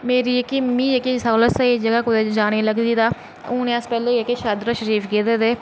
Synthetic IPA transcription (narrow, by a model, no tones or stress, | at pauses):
meːɾiːekːimĩːekisaːləsaiːd͡ʒəɡaːkʊd̪eːd͡ʒaːñeːləɡd̪iːd̪aː | ʊːnẽːəspɛːleːekeʃaːd̪ɾaʃəɾiːfɡeːd̪eːd̪eː